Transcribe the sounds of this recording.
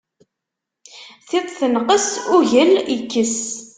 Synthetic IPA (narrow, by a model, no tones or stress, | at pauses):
θɪðˤθənqəsʊʝəljəkːəs